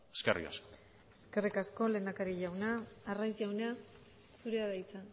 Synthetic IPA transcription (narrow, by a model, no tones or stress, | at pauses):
eskḛrḭka̰sko | e̞ske̞rikasko̞le̞ːnd̪akaɾiʎawnaːrajzʝawna | suɾeaðajt͡sa